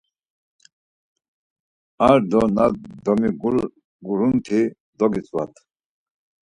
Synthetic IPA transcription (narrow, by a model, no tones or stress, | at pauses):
aɾd̪ɔnad̪ɔmiɡul | ɡuɾunt̪ʰi | d̪ɔɡit͡sʼwa̰t̪ʰ